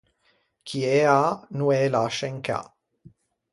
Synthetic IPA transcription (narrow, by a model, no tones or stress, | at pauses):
kʰieanuɛlaʃeŋka̰